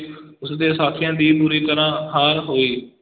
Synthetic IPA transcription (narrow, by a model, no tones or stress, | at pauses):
ʊsd̪eːsaːt̪ʰɪjãːd̪iːpuːɾiːk̪əɾãːɦaːɾɦoːiː